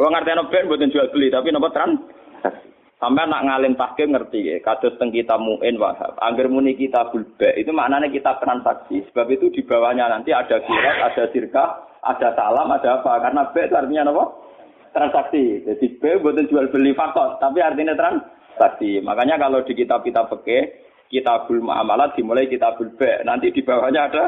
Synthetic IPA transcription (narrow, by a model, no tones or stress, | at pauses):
wɔŋart̪iɲanɔb̥ɛʔmbɔt̪ənd͡ʒualb̥əlit̪apinɔmpɔt̪ɾan | sa̰ksi̥ | sampɛana̰ʔŋalɪmt̪ahɡ̥ɛŋərt̪ikḛkad̪̥ɔ̤t̪əŋkit̪amuʔɪnwa̰ɦa̰pa̰ŋɡɪrmunikit̪ab̥ṳlb̥ɛʔit̪umaʔnanekit̪at̪ɾansaksisəb̥a̤p̚it̪ud̪̥i̤b̥a̤wahɲanant̪iad̥a̤ɡ̥iɾat̪a̰d̥a̤sirkaʔa̰d̥a̤salamad̥a̤pakaɾənab̥ɛʔt̪uart̪iɲanɔ̃fɔ | t̪ɾansaksid̪d̪̥ib̥ɛʔmbɔt̪ənd͡ʒualb̥əlifak̚t̪ɔrt̪apiart̪inet̪ɾan | saksima̰kaɲakalod̥̪i̤kit̪ab̚kit̪apəkɛ | kit̪ab̥ṳlma̰a̰malat̪̚d̪̥i̤mulaikit̪ab̥ṳlb̥ɛʔnant̪id̪̥i̤b̥a̤wahɲaːd̥a̤